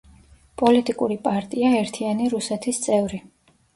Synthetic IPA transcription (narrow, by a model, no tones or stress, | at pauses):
pʼɔlit̪ʼikʼuɾipʼaɾt̪ʼiaɛɾt̪ʰianiɾusɛt̪ʰist̪sʼɛvɾi